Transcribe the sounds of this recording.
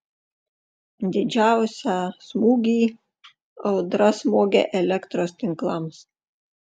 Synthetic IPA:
d̪ʲɪd͡ʒʲæˑʊsʲæsmuːɡʲiː | ɒʊd̪ɾɐsmoːɡʲḛʔɛlʲɛkt̪ɾoːst̪ʲɪŋklˠɐms

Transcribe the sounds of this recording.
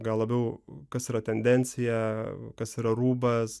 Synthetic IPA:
ɡɐlˠlˠɐbʲɛʊkɐsiːɾɐt̪ʲɛnʲd̪ʲɛnʲt͡s̪ʲɪjɛkɐsiːɾɐɾuːbɐs

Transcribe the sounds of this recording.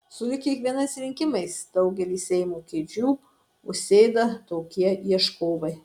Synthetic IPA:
sʊlʲɪkʲiɛkʋʲiɛnɐɪsɾʲɪŋʲkʲɪmɐɪsd̪̥ɐʊɡʲɛlʲiːssʲɛɪmuːkʲeːd͡ʒʲuː | ʊʃʲsʲeːd̪ɐt̪oːkʲiɛiɛʃkoːbɐɪ

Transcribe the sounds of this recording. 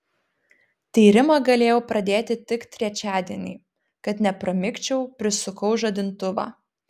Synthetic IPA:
t̪ʲiːɾʲɪmɐɡɐlʲeːjɛʊpɾɐd̪ʲeːt̪ʲɪt̪ʲɪkt̪ʲɾʲɛt͡ʃʲæːd̪ʲiɛnʲɛː | kɐt̪nʲɛpɾɐmʲɪkt͡ʃʲɛʊpʲɾʲɪsʊkɐʊʒɐd̪ʲɪnt̪ʊʋɑ̰ː

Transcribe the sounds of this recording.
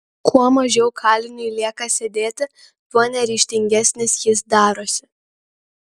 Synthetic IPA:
kʰuɔmɐʒʲɛʊkʰɑːlʲɪnʲɪlʲiɛkɐsʲed̪ʲeːt̪ʲɪ | t̪unʲɛɾʲiːʃʲt̪ʲɪŋʲɡʲɛsʲnʲɪsjɪs̬d̪ɑːɾoːsʲɪ̥

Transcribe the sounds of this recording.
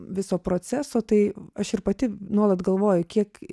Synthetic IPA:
ʋʲɪsoːpɾoːt͡s̪ʲæːsoːt̪ɐɪɐʃɪɾpɐt̪ʲɪnuɔlˠɐt̪ɡɐlˠʋoːjʊkʲiɛk

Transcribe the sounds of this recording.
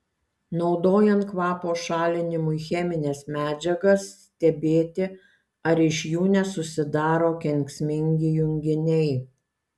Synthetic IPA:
nɒʊd̪oːjɛnt̪kʋɑːpoːʃɑːlʲɪnʲɪmʊɪxʲɛmʲɪnʲeːsmʲæːd͡ʒʲɛɡɐsːʲt̪ʲɛbʲeːt̪ʲɪ | ɐɾɪʃjuːnʲɛsʊsʲɪd̪ɑːɾoːkʲɛŋʲksʲmʲɪŋʲɡʲɪjʊŋʲɡʲɪnʲɛɪ

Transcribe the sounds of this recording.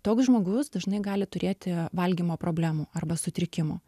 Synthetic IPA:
t̪oːksʒmoːɡʊsd̪ɐʒnɐɪɡɑːlʲɪt̪ʊɾʲeːt̪ʲɪʋɐlʲɡʲimoːpɾoːbʲlʲæːmuːɐrbɐsʊt̪ʲɾʲɪkʲɪmṵː

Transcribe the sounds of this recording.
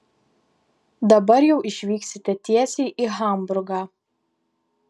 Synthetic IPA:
d̪ɐbɐɾjɛʊʔɪʃʲʋʲiːksʲɪt̪ʲɛt̪ʲiɛsʲeɪʔiɣɐˑmbʊɾɡɑː

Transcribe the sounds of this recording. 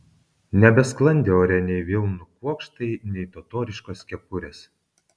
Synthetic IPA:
nʲɛbʲɛsklˠɐnʲd̪ʲɛoːɾʲɛnʲɛɪʋʲɪlˠnʊkuɔkʃt̪ɐɪnʲɛɪt̪ot̪oːɾʲɪʃkoːskʲɛpʊɾʲeːs

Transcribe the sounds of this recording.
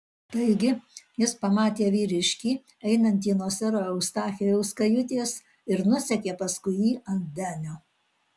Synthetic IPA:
t̪ɐɪɡʲɪjɪspɐmɑːt̪ʲeːʋʲiːɾʲɪʃʲkʲiː | ɛɪnɐnʲt̪̬ʲiːnoːsʲɛɾoːɛʊst̪ɑːxʲɛjɛʊskɐjʊt̪ʲeːs | ɪɾnʊsʲɛkʲeːpɐskʊɪjiːʔɐnd̪ʲæːnʲo

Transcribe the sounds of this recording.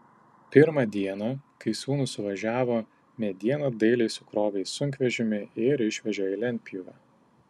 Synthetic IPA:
pʲɪɾmɐd̪ʲiɛnɐkɐɪsuːnuːsʊʋɐʒʲæːʋoː | mʲɛd̪ʲiɛnɐd̪ɐɪlʲɛɪsʊkɾoːʋʲɛɪsʊŋʲkʋʲɛʒʲɪmʲɪɪɾɪʃʲʋʲɛʒʲɛɛɪlʲɛnʲpʲjʊʋʲɑː

